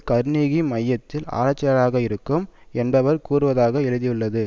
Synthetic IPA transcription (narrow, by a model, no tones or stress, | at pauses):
kɐɾniːɣimɐjːɐt̪ːɪla̰ːɾɐt͡ʃːɐɐɾaːɣɐɪɾɯkːɯmɛnbɐʋɐɾkuːɾɯʋɐðaːɣɐɛɻɯðɪjɯɭːɐðɯ